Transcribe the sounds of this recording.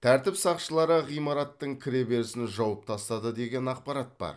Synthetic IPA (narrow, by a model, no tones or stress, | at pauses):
t̪ʰæɾt̪ɪpsɑqʃəlˠɑɾəʁijmɑɾɑt̪ːəɴkʲʰɪɾe̞be̞ɾɪsɪnʒɑwəp̚t̪ʰɑst̪ɑd̪əd̪e̞ɡʲe̞nɑq̚pɑɾɑt̪̚bɑ̰ɾ